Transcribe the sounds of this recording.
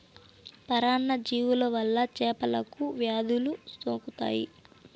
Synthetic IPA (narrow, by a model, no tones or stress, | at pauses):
pɐɾaːɳːɐd͡ʒiːwulɐʋɐlːɐt͡ʃɛːpɐlɐkuʋjaːd̪ulust̪oːkut̪a̰ːjḭ